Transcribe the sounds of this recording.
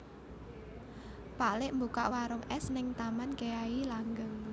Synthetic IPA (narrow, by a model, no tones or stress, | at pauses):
paʔlɪʔmbukaʔwaɾʊŋɛsnɪŋt̪amanɡeailaŋɡəŋ